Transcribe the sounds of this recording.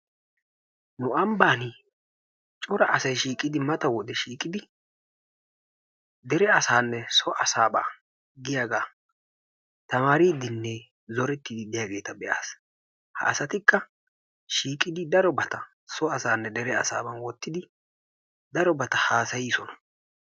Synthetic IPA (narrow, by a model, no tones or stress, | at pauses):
nʊʔɐmbaːnɪ | t͡ʃʼɔɾɐʔɐsɐjʃiːkʼɪd̪ɪmɐt̪ɐwɔd̪ɛʃiːkʼɪd̪ɪ | d̪ɛɾɛɐsaːnːɛsɔʔɐsaːba̰ː | ɡɪjaːɡaː | t̪ɐmaːɾid̪ɪnːɛ | zɔɾɛt̪ːɪd̪ɪd̪ɪjaːɡe̞ːt̪ɐbɛʔa̰ːs | hɐ̰ʔːsɐt̪ɪkːɐ | ʃiːkʼːɪd̪ɪd̪ɐɾɔbɐt̪ɐ | sɔɐsaːnːɛd̪ɛɾɛɐ̰sa̰ːbɐnwɔt̪ːɪd̪ɪ | d̪ɐɾɔbɐt̪ɐhaːsɐjɪsɔnɐ̥